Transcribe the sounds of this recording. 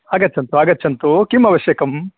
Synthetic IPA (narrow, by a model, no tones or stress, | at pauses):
aːɡɐtːt͡ʃʰːɐnt̪uaːɡɐtːt͡ʃʰːɐnt̪ukimɐʋɐʃjɐːkɐm